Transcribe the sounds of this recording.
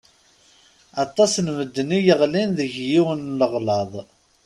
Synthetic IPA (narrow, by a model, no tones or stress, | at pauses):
ɑt̪ˤːɑsnməd̪ːənijəʁlinðəʝjiwənləʁlɑðˤ